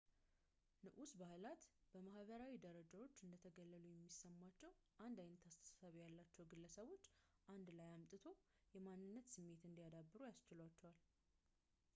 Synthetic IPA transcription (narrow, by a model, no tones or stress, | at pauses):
nɨʔusbahlat̪b̥əmahβəɾawid̪əɾəd͡ʒawo̞t͡ʃːɨnd̪ət̪ʰəɡəlːəlujɛmːisːəmːat͡ʃːɛwʔand̪ajnət̪ʰast̪ʰə̥ssaβijalːat͡ʃːɛwɡɨlːəsəβo̞t͡ʃːʔand̪lajamt̪ʼɨt̪ʰo̞ | jɛmanːɨnːət̪sɨmːe̞t̪ɨnd̪ijad̪abːɨɾujast͡ʃɪlwat͡ʃːɛwal